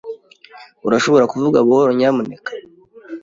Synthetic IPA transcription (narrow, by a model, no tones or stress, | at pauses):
uɾaʃo̞βo̞ɾakuvuɡaβoɾoɲaːmunekḁ